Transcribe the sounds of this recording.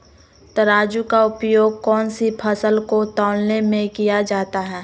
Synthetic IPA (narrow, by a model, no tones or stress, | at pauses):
t̪ɐɾaːd͡ʒukaʊpjoːɡ̚kɔːnsipʰɐsəlkot̪ɔːlnemẽkijad͡ʒaːt̪aɦɛː